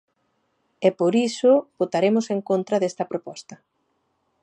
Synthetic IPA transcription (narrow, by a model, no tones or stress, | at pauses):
ɛpoɾisʊbot̪aɾemʊseŋkont̪ɾɐðest̪ɐpɾopɔst̪ɐ